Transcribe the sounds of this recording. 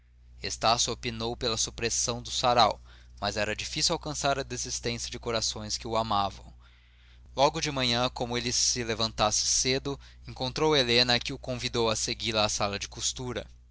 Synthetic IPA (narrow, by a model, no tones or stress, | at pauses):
est̪asjʊopinowpelɐsupɾesɐ̃w̃d̪ʊsaɾawmɐzɛɾɐd͡ʒifisiwawkɐ̃saɾɐd̪ezist̪ẽsjɐd͡ʒɪkoɾasõj̃skɪʊamavɐ̰̃w̃ | lɔɡʊd͡ʒɪmɐ̃ɲɐ̃kõmʊelɪsɪlevɐ̃nt̪asɪ̥sed̪ʊẽŋkõnt̪ɾowelenɐkɪʊkõvid̪owɐseɡilɐːsalɐd͡ʒɪkust̪uɾɐ̰